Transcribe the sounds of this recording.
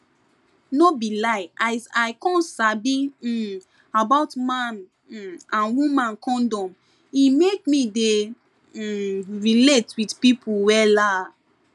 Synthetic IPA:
nobilaɪaaɪkɔ̃nsabi | abaʊtmãn̩ | ãnwũmãnkʰɔ̃ndɔ̃m | imekmide | ɹiletwidpipʰuwɛla

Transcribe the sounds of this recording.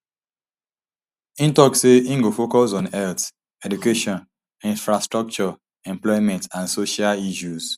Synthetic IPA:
ĩntɔkseĩŋɡofokɔsɔ̃nɛθ | ɛdukeʃɔ̃n | ĩnfɹastɹɔk̚t͡ʃɔ | ɛ̃mplɔɪmɛ̃ntãnsoʃaliʃuz̥

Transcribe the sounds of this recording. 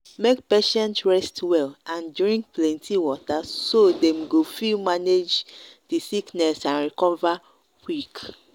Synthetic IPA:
mekpeʃɛ̃ntɹɛstwɛlãnduɹĩŋkplɛ̃ntʰiwɔtasodɛ̃mɡofimaned͡ʒdisiknɛsãnɹikɔva | wik

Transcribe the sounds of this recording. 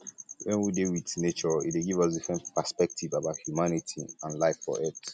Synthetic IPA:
wɛ̃nwidewidnet͡ʃɔḭt̚weɡivɔsdifɹɛ̃ntpəspɛk̚tʰivabaʊt̚hjumanitʰiãnlaɪfɔ̰ʔɛθ

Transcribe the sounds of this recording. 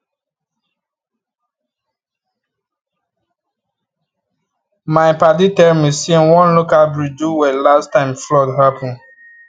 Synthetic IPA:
maɪpat̬itɛɾmisĩnwɔ̃nlokalbɹid͡ʒuwɛlastːãɪ̃mflɔtɦapɔ̃n

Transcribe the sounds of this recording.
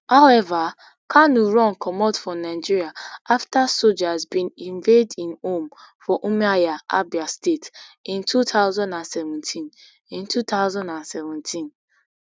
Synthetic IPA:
haʊɛva | kʰanuɹɔ̃nkʰɔmɔtfɹɔ̃naɪd͡ʒiɹiaaftasold͡ʒazbĩnĩɱvedĩnõmfɔʔumiajaʔabiastetĩntʰutʰaʊzãndãnsɛvɛ̃ntʰĩn | ĩntutaʊzãndãnsɛvɛ̃ntʰĩn

